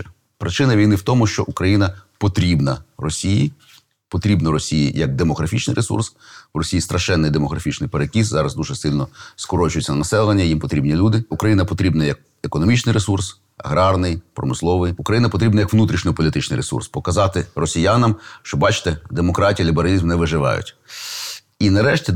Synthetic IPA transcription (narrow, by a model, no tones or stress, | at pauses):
pɾʔɪt͡ʃɪnɐʋʲijnɪwt̪ɔmʊʃt͡ʃɔʔukɾɐjinɐpɔt̪ɾʲibnɐrɔsʲijḭ | pɔt̪ɾʲibnɔɾɔsʲijḭjɐk̚d̪emɔɣɾɐfʲit͡ʃnɪ̰jɾʔesṵrsrɔsʲijist̪ɾʔɐʃɛnːɪjd̪emɔɣɾɐfʲit͡ʃnɪjpeɾekʲiszɑɾɐzd̪uʒɛsɪlʲnɔskɔɾɔt͡ʃʊjɛt͡sʲːɐnɐnɐsɛlˠʋɐnʲːɐjimpɔt̪ɾʲibnʲilʲud̪ɪukɾɐjinɐpɔt̪ɾʲibnɐjɐk̚ | ekɔnɔmʲit͡ʃnɪjɾesurs | ɐ̰ɣɾɑrnɪjpɾɔ̰mɪslˠɔʋɪjukɾɐjinɐpɔt̪ɾʲibnɐjɐkʋnut̪ɾʲiʃnʲɔpɔlʲit̪ɪt͡ʃnɪjɾesṵrspɔkɐzɑt̪ɪrɔsʲijanɐmʃt͡ʃɔbɑt͡ʃɪ̥t̪ɛd̪emɔkɾɑtʲijɐlʲibeɾɐlʲizmnɛʋɪʒɪʋɑ̰jʊ̰tʲ | inɐɾɛʃtʲi